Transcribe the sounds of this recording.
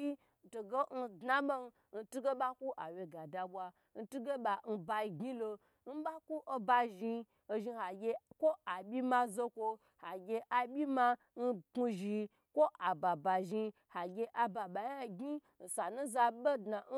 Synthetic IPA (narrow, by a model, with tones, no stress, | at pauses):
i˦˨ | to˨ɡe˦n̩˧dna˦ɓo˦n˧ | n̩˧tu˦ɡe˦ɓa˦ku˦ʔa˨we˧ɡa˨da˨bwa˧ | n̩˧tu˦ɡe˦ba˨n̩˧ba˧i˧ɡʲɲi˦lo˧ | n̩˦ɓa˦ku˦ʔo˧ba˧ʒi˧ | o˧ʒi˧ha˨ɡʲe˧kʷo˦ʔa˨bʲi˦ma˧zo˧kʷo˧ | ha˨ɡʲe˧ʔa˨bʲi˦ma˧ | n̩˦ku˧ʒi˧ | kʷo˦ʔa˨ba˨ba˨ʒi˧ | ha˨ɡʲe˧ʔa˨ba˨ɓa˨ja˦ɡi˦ | n̩˨sa˨nu˦za˧be˦dna˨˦